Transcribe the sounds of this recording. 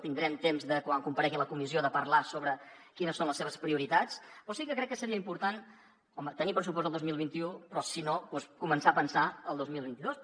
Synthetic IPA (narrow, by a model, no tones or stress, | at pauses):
t̪ind̪ɾɛmt̪emzðəkwaŋkumpəɾɛɣiləkumizioðəpəɾlasoβɾəkinəsːonləsːeβəspɾiuɾit̪at͡spɾɔsikəkɾɛkːəsəɾiəimpuɾt̪an | ɔmət̪ənipɾəsupɔs̬t̪əlˠd̪ozmilˠβint̪iupɾɔsinopwɔskumənsapənsaəlˠd̪ozmilˠβint̪iðos